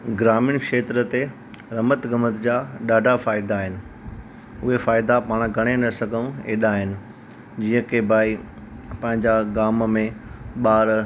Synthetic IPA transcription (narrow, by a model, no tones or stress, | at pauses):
ɡɾaːmɪñkʃeːt̪ɾət̪e | ɾɐmət̪ɡəmət̪d͡ʑaːɗaːɖʱafaːɪd̪aːɦɪnɪ̆ | ʊɦefaːɪd̪apaːɽ̃ɡʱɐɽ̃enɐsɐɡʱəũeːɗaːɦɪnɪ̆ | d͡ʑiːə̃kʰebʱaːi | pɐ̃ɦɪ̃ɲd͡ʑaɡaːmmẽɓaːɾ